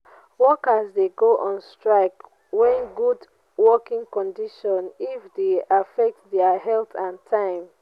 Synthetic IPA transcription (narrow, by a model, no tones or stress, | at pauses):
wɔkasdeɡoʔɔ̃nstɹaɪk | wɛ̃nɡud | wɔkĩŋkɔ̃ndiʃɔ̃nifdeafɛk̚tdɛaɦɛltãntʰãɪ̃m